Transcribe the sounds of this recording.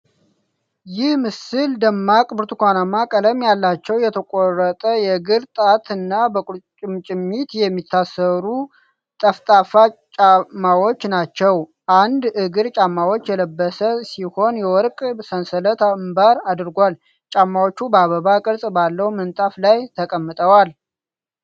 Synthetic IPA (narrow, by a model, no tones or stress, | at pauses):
jɪhmɨsɨld̪əmːakʼbɨɾt̪ʰukʷanamːakʼələmjalːat͡ʃːɛwjɛt̪ʰəkʼorət̪ʼəjɛɡɨɾt̪ʼat̪ʰɨnːabəkʼut͡ʃʼɨmt͡ʃʼɪmːit̪jɛmːit̪ʰːasəɾu | t̪ʼəft̪ʼafat͡ʃʼamːawo̞t͡ʃːnat͡ʃːɛw | ʔand̪ɨɡɨɾt͡ʃʼamːawo̞t͡ʃːjɛləbːəsəsiho̞njɛwɔɾkʼsənsələt̪ambaɾad̪ɨɾɡʷal | t͡ʃʼamːawo̞t͡ʃːubəaβəβakʼɨlsʼbalːəwumənt̪ʼaflajt̪ʰəkʼəmːɨt̪ʼəwal